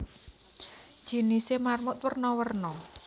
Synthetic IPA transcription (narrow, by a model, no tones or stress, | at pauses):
ʒ̥i̤nisemarmʊt̪̚wərnɔwərnɔ